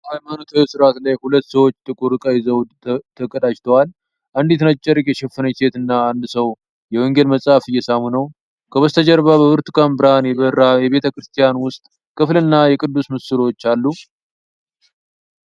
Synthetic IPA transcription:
ajmanot̪ʰawesɨɾat̪lajhulət̪ːsəwo̞t͡ʃːt̪ʰɨkʼuɾɨkʼajzəw̪ | t̪ʰəkʼəd̪aʃt̪ʰəwal | ʔand̪it̪nat͡ʃʼːəɾkʼjɛʃɛfɨnəse̞t̪ɨnːaand̪səw | jɛwɔŋɡelməsʼafɨjːɛsamunəw | kʰəβəst̪ʰəd͡ʒɛɾβabəβɨɾt̪ɨkʰʼambɨɾanjɛbəɾːajɛβe̞t̪ʰəkɾɨst̪ʰijanwʊst̪ʼ | kʰɨflɨnːajɛkʼɨd̪ːusmɨsɨlo̞t͡ʃːalːu

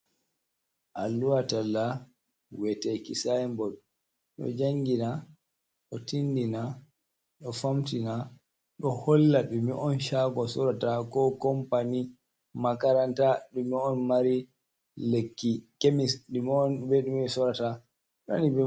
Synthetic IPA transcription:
ʔalːuwatalːa | wɛtɛkḭsaɛmbɔɗ | ɗɔ̰d͡ʒaŋɡina | ɗɔtindina | ɗɔfamtina | ɗɔhɔlːaɗumiʔɔnʃaɡɔsɔɾatakɔkɔmpani | makaɾantaɗumiɔnmaɾi | lekːikemisɗumɔnbɛɗumɛsɔɾata | ɗɔ̰nibɛ

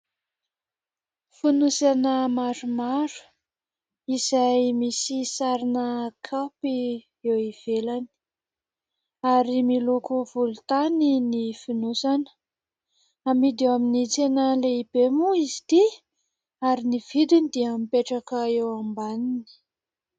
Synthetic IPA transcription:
finusanəmaɾumaɾu̥ | izajmisisaɾinəkʰapi | ewiv̥elani̥ | aɾimilukuv̥ulut̪aninifinusanə̥ | amid̪ewaminit͡senəleibemuizit̪i | aɾinivid̪inid̪imipeʈ͡ʂakəewambanini̥

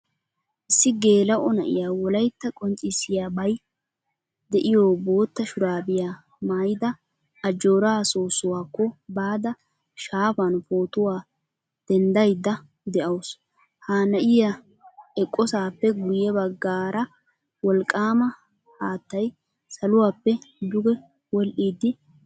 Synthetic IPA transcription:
ʔɪsːɪɡe̞ːlɐʔɔnɐʔɪ̰jaːwɔlɐjt̪ːɐkʼɔnt͡ʃʼɪsːɪjaːbɐj | d̪ɛʔɪjoːbo̞ːt̪ːɐʃʊɾaːbɪjaː | maːjɪd̪ɐː | d͡ʒːo̞ːɾaːsoːsʊwaːkːɔbaːd̪ɐ | ʃaːfɐnfoːt̪ʊwaː | d̪̥ɛnd̪ɐjd̪ɐ | d̪ɛʔɐws | haːnɐʔɪja | ɛkʼːɔsaːpːɛɡʊjɛbɐɡːaːɾɐ | wɔlkʼːaːmɐ | haːt̪ːɐj | sɐlʊwaːpːɛd̪ʊɡɛ | wɔlʔiːd̪ːɪ

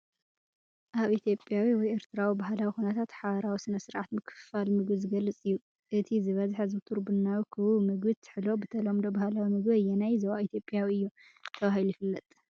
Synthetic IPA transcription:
ʔaβit̪ʰjo̞pʼjawiwɔjeɾt̪ʰɨɾawibaɦlawixunɐt̪ʰat̪ħaβɐɾawisɨnɐsɨɾʕat̪mɨkʰɨ̥falmɨɡɨzɨɡɐlːɨt͡sʼɨjːu | ʔɨt̪ʰizɨβɐzħazɨt̪ʰuɾbɨnːawikʰɨβumɨɡbɨt̪ʰɨ̥ħlo̞bɨt̪ʰɐlomd̪obahlawimɨɡbɐjɛnajzɐwait̪ʰjo̞pʼjawiɨjːu | t̪ʰɐβahilujifɨlːɐt̪ʼ

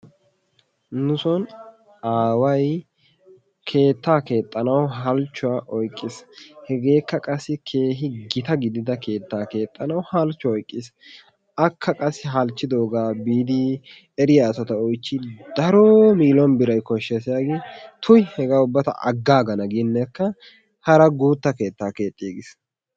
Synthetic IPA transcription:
nʊsɔn | aːwɐj | kʰe̞ːt̪ːaːke̞ːt̪ʼːɐnɐwɦɐlt͡ʃːʊwaʔɔjkʼːɪshɛɡe̞ːkːɐkʼɐsːɪkʰe̞ːɦɪɡɪt̪ɐɡɪd̪ɪd̪ɐke̞ːt̪ːaːke̞ːt̪ʼːɐnɐwhɐlt͡ʃːʊɔjkʼːɪs | ɐkʰːɐkʼɐsːɪɦɐlt͡ʃːɪd̪oːɡaːbiːd̪i | ɛɾɪjaːsɔt̪ɐɔjt͡ʃːɪd̪ɐɾoːmiːlɔnbɪɾɐjkɔʃːɛsɪjaːɡɪt̪ʰʊjhɛɡaːʊbːɐt̪ɐ̰ʔɐ̰ɡːaːɡɐnɐɡɪnːɛkːɐ | hɐɾɐɡuːt̪ːɐke̞ːt̪ːaːke̞ːt̪ʼːɪeːɡɪs

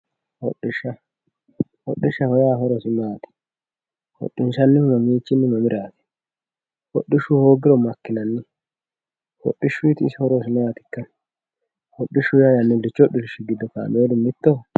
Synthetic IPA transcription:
hɔ̰ɗːɪʃːɐ | hɔ̰ɗːɪʃːɐhɔjaːɦɔɾɔsɪmaːt̪ɪ̥ | hɔ̰ɗːɪnʃɐnːɪmɐmiːt͡ʃːɪnːɪmɐmɪɾʔaːt̪ɛ̥ | hɔ̰ɗːɪʃʊhoːɡɪɾɔmɐkːɪnɐnːɪ | hɔ̰ɗːɪʃːʊjt̪ɪːshɔɾɔs̬ɪmɐaːt̪ɪ̥kːɐ | hɔɗːɪʃʊjajɐnːɪlːɪt͡ʃːɔɗɪlɪʃɪɡɪd̪ːɔka̰ːmeːd̪ʊmɪt̪ːɔ

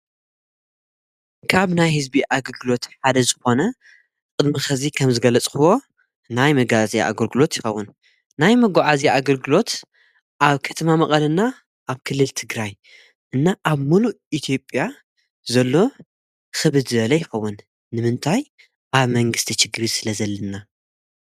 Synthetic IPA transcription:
kʰaβnajhɨzbiʔaɡɐlɡɨlo̞t̪ħad̪ɐzɨxo̞nɐ | kʼɨd̪mixɐzikʰɐmzɨɡɐlɐt͡sʼkɨwo̞ | najmɐɡazaʔa̰ɡɐlɡɨlo̞t̪jɪxɐwːʊn | najmɐɡaʕazaʔaɡɐlɡɨlo̞t̪ | ʔaβkʰɐ̥t̪ʰɐmamɐχʼɐlɐnːa | ʔaβkʰɨlːɨlt̪ʰɨɡɾaj | ʔɨnːaʔaβmulu | it̪ʰjo̞pʼja | zɐlːo̞ | xɨβɨd̪zɨβɐlɐjɪxɐwːʊnː | ɨmɨnt̪ʰaj | ʔaβmɐŋɡɨst̪ʰit͡ʃɪɡɾisɨlɐzɐlːɐnːa

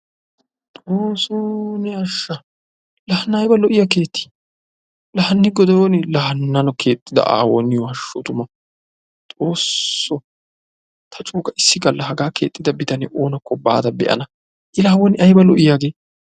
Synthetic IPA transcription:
t̪ʼoːsonɛɐʃːɐ | lɐhɐnːɐɐːjbɐlɔʔɪjɐke̞ːt̪ːɪ̥ | lɐhɐnːɪɡɔd̪ɔɔnɪlɐhɐnːɐnɔke̞ːt̪ʼːɪd̪ɐ̰ʔa̰ːwɔ̰nːɪjɔɐʃːot̪ʊmɐ | t̪ʼo̞ːsːɔ | t̪ʰɐt͡ʃʼuːkʼɐʔɪsːɪɡɐlːɐɦɐɡaːkḛːt̪ʼːɪd̪ɐbɪt̪ɐnɪʔoːnɐkːɔba̰ːd̪ɐbɛ̰ʔɐ̰nɐ | ʔɪlaːwɔnɪʔɐjbɐlɔʔɪjaːɡe̞ː

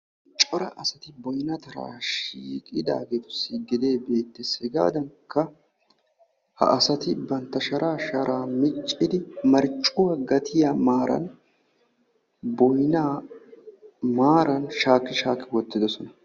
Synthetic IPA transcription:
t͡ʃʼɔɾɐ̰ʔɐsɐt̪ɪbɔjnɐt̪ɐɾa̰ːʃiːkʼɪd̪a̰ːɡeːt̪ʊ̥sɪɡɪd̪e̞ːbe̞ːt̪ːɛsɛɡa̰ːd̪ɐŋkːɐ | hɐ̰ʔɐsɐt̪ɪbɐnt̪ːɐʃɐɾaːʃɐɾʔaːmɪt͡ʃʼːɪd̪ɪmɐɾt͡ʃʼːʊwɐɡɐt̪ʰɪjamaːɾɐ̰n | bɔjna | maːɾɐnʃaːkːɪʃaːkːɪwɔt̪ːɪd̪ɔsɔnɐ

